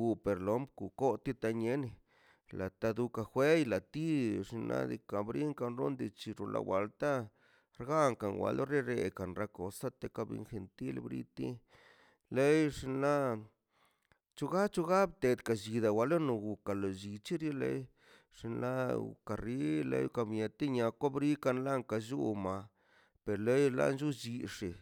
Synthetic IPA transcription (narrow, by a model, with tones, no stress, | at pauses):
ɡu˧pe˨ɾlo˨˦mbku˨ko˦t̪i˦t̪a˧ɲe˦ni˧ | la˨t̪a˧d̪u˧ka˧xʷe˦jla˨t̪i˦ʂi˧nlʔa̰˧d̪ḭ˧ka˨bɾi˦ŋka˧nɾo˦nd̪i˧t͡ʃi˧ɾu˧lʔa̰˨wa˨˧lt̪a˦ | ɾɡa˦ŋka˨nwa̰˧lo˦ɾe˦ɾe˧ka˨nɾa˧ko˨sa˦t̪e˧ka˧bḭ˧nxe˨nt̪i˦lbɾḭ˧˦t̪i˦ | le˦jʂi˧nla˦ | t͡ʃu˦ɡa˦t͡ʃu˦ɡa˦bt̪e˨˧d̪ka˨d͡ʒi˨d̪a˨wa˨lo˦no˧ɡu˨ka˨lo˨d͡ʒi˨˧t͡ʃi˦ɾi˦lḛ˦j | ʂi˧nla˦ṵ˨ka˨ɾi˦lḛ˧˦jka˧bɲe˧t̪i˦ɲa˧kʷa˦bɾi˦ka˧nla˦ŋka˧˨ʒu˦ma˨ | pe˨ɾle˦jla̰˦nd͡ʒu˦d͡ʒi˧ʂi˨